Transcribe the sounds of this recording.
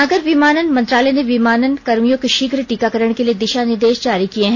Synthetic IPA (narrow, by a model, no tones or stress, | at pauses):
ɐɡəɾʋimaːnənmɐ̃nt̪ɾaːlɛeneʋimaːnənkɐɾmijõkeʃɪɡɾʈiːkakɐɾəɽ̃kelied̪ɪʃanɪɾd̪eːʃd͡ʒaːɾikieɦɛ̃